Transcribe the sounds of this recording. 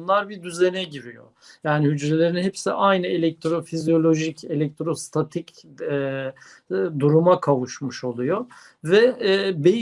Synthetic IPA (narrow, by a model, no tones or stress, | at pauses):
nlˠaɾbid̪yzenɛɟiɾijo̰ | jaːnihyd͡ʒɾelʲe̞ɾinhɛpsiʔajnɯe̞lʲɛk̚t̪ɾo̞fizjolʲo̞ʒice̞lʲɛc̚t̪ɾo̞st̪ʰat̪ʰicː | d̪uɾumakʰavuʃmɯʃo̞lˠujo | vɛbej